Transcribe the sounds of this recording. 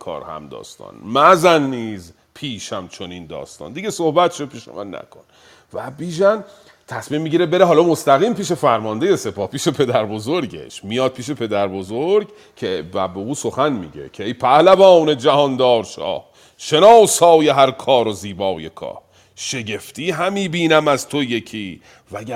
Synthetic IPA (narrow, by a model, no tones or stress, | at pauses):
kʰɒ̰ːɾhæ̰md̪ɒ̰ːst̪ɒ̰ːnmæzænːiːz | pʰiːʃæmt͡ʃʰo̞nind̪ɒ̰ːst̪ɒ̰nd̪iɟesohbæt̪ʰʃod̪̚piːʃḛmæ̰nːæ̰kʰo̞n | væbiːʒæn | t̪ʰæsmiːmːiɟiɾebe̞ɾeɦɒːlɒmost̪æɣiːmpiːʃe̞fæɾmɒnd̪e̞jese̞pɒːhpiːʃe̞pʰe̞d̪æɾbozoɾɟe̞̰ʃmijɒːd̪̚piːʃ̬e̞pʰe̞d̪æɾbo̞zoɾɡ | cʰebæ̰be̞uːsoxænmḭːɟḛcʰeejpʰæhlævɒːne̞d͡ʒæhɒːnd̪ɒːɾʃɒ̰ːh | ʃe̞nɒːshɒːje̞ɦæɾkʰɒːɾoziːbɒːje̞kʰɒ̰ːh | ʃe̞ɟe̞ft̪iːɦæmiːbiːnæmæz̥t̪ʰojekʰiː | vææ